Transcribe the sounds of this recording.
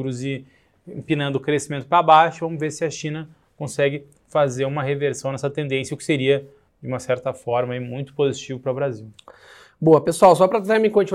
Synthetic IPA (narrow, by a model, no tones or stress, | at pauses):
ɾʊzɪ̃ | pinɐ̃nd̪ʊkɾesimẽnt̪ʊpɾabaʃʊɪvɐ̃mʊzveɾsɪɐʃĩnɐ | kõsɛɡɪ | fazeɾũmɐɦeveɾsɐ̃w̃nɛsɐt̪ẽnd̪ẽsjɐʊkɪ̥seɾiɐ | d͡ʒɪũmɐsɛɾt̪ɐfɔɾmɐimũj̃t̪ʊ̥pozit͡ʃivɐpɾɐʊbɾaziw | boɐpesuawsɔpɾɐt̪t̪amĩkõt͡ʃi